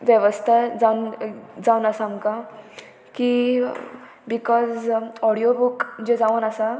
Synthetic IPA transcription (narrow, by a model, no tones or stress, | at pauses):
ʋjəʋəst̪ʰad͡zand͡zawnəsãmka | ki | bikɔzɔɽiobukd͡ʑed͡zaʋənəsa